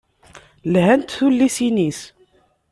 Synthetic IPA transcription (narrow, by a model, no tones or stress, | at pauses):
lhænt̪θulːisinis